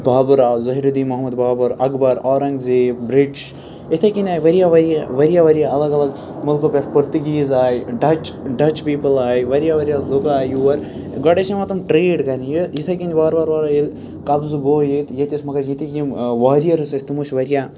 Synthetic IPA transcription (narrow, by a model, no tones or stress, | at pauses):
baːbuɾaːzɐɦiɾud̪iːmɐɦmɐd̪baːbɐɾɐɡbɐɾaːɾɐŋɡzibɾiɖt͡ʃ | it̪ʰɐkinʲaːjʋɐɾijaːʋɐɾjaʋɐɾijaːʋɐɾijaɐlɐɡɐlɐɡ | mulkopʲekpɐɾt̪uɡʲiːzaːjɖɐt͡ʃɖɐt͡ʃpiːpɐlaːjʋɐɾjaʋɐɾijalukaːjuʋɐɾ | ɡɐɽeʃɐmɐt̪umʈɾeːɖkɐɾnijit̪ʰɐkind̪ʲibaːɾbaːɾbaːɾɐil | kɐbzuɡoːjit̪jet̪ismɐɡɐɾjit̪ikimʋaːɾijɐɾɨsɐsʲt̪imuʃʋɐɾijaː